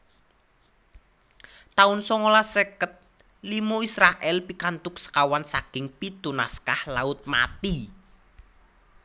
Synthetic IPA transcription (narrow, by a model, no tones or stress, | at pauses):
t̪aʊnsɔŋolasekət̪̚ | limuisɾaʔɛlpikant̪ʊk̚sə̥kawansaɡ̥ɪŋpit̪una̰skahlaʊt̪̚ma̰t̪i